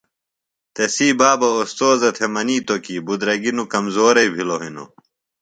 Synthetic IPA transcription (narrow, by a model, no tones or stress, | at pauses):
t̪esiːbaːbɐost̪oːzɐt̪ʰemɐniːt̪okiːbud̪ɾɐɡinukɐmzoːɾɐjbʱiloɦino̰